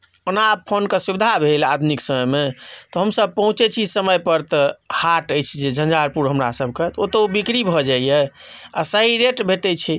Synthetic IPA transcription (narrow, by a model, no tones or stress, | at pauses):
onapʰonkesubid̪ʱabʱelad̪miksəməjmet̪ɔɦəmsəb̚ʱpəɦũt͡ʃɛt͡ʃʰisəməjpəɾt̪əhaʈəjt͡ʃʰid͡ʒed͡ʒʱə̃nd͡ʒaɾpuɾɦəmɾa̰səb̚ʱkət̪ot̪əubikɾibʱɔd͡ʒaijɛ | a̰səɦiɾeʈbʱeʈ̪ɛt͡ʃʰi